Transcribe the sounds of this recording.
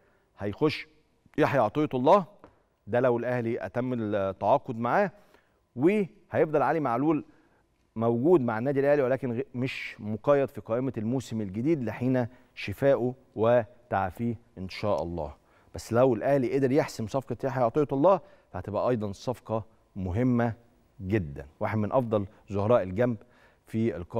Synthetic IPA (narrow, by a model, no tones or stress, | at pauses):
hæjxoʃː | jeħjɑʕt̪ˤejɑt̪ɑlˤːɑː | d̪ælæwelʔæhliʔæ̰t̪æmːt̪ːaʕɑːqod̪maʕaː | we | hæjefd̪ˤɑlʕalimaʕluːl | mæwɡuːd̪maʕenːæːd̪ilʔæhliwelæːkenmeʃmoqɑjːɑd̪ˤfiqɑːʔemælmoːsemelɡed̪iːd̪leħiːnæ | ʃɪfæːʔu | we | t̪aʕfiːʔenʃæːʔɑ̰lˤːɑ̰ː | b̥æsːlæwelʔæhliʔed̪eɾjeħsemsˤɑfqɑt̪jæːħæjoʕt̪ˤejɑt̪ɑlˤːɑːh | fæhæt̪ebʔæ̰ʔɑjd̪ˤɑnsˤɑfqɑ | moɦemːæ | ɡed̪ːæ̰nwaħed̪mɪnʔɑfd̪ˤɑl | zohɾˤɑːʔelɡæmb | fiḛlqɑ